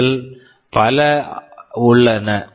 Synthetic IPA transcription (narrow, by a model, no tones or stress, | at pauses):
l | pɐlɐ | ʊɭːɐnɐ